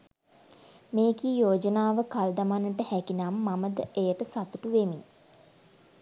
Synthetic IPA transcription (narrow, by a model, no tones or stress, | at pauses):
meːkijoːd͡ʒənaːʋəkald̪amanəʈəhækinamːaməd̪əʔejəʈəsat̪uʈuʋemi